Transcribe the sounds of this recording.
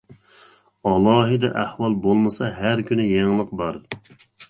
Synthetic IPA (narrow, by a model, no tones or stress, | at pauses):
ɑlˠɑːɦɨd̪ɛ̰ʔæhwɑlˠbolˠmɨsɑɦæɾkʲʰynɪjeŋlˠəq̚bɑɾ